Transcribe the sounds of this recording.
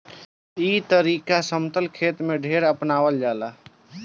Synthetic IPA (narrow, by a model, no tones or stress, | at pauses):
iːt̪əɾiːkasəmt̪əlkʰeːt̪mẽɖʱeːɾəpnaːwəld͡ʒaːlaː